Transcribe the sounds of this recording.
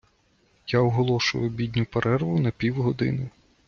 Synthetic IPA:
jaɔɦɔlˠɔʃʊjʊbʲidʲnʲʊpeɾɛrʋʊnɐpʲiwɦɔd̪ɪ̰nʊ

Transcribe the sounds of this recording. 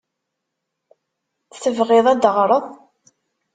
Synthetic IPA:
θθəvʁeðˤæd̪əʁɾˤəðˤ

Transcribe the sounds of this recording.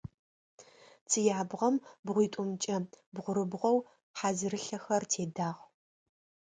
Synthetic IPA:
t͡sʰʼɨjaːbʁɐmbʁʷiːtʷʼʊmt͡ʃʼɐbʁʷʊɾɨbʁɔw | ħaːzɨɾɨɬɐxɐrtʰeːdaːʁ

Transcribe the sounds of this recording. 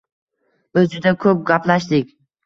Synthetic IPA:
b̥ɪzd͡ʒʊd̪akʰɵp̚ɡʲaplaʃd̪ɪkʲ

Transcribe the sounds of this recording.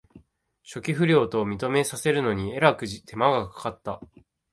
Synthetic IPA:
ɕo̞kʲiɸɯ̟ɾʲo̞ːt̪o̞mʲit̪o̞me̞sase̞ɾɯ̟no̞ɲ̟ie̞ɾakɯ̟ʑit̪ʰe̞maɡakḁkat̪ːa

